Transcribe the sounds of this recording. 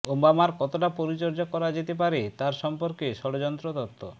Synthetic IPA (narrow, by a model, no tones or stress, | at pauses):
ombamaɾkɔt̪oʈapoɾit͡ɕoɾd͡ʑokɔɾad͡ʑet̪ep̬aɾet̪aɾʃɔmpoɾkeʃɔɽod͡ʑɔnt̪ɾot̪ɔt̪ʰːo